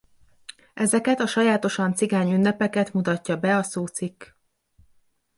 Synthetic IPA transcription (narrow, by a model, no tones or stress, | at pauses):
ʔɛzɛkɛt̪ɒʃɒjaːt̪o̞ʃɒnt̪siɡaːɲynːɛpɛkɛt̪mut̪ɒcːɒbɛɒsoːt̪sikː